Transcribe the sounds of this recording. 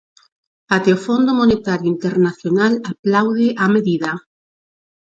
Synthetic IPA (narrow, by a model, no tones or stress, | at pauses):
at̪eofond̪omonet̪aɾjoint̪eɾnaθjonalaplawð̞eʔameðiða